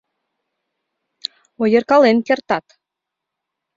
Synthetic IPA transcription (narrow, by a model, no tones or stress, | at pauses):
ojə̆rkɑlenkert̪ɑt̪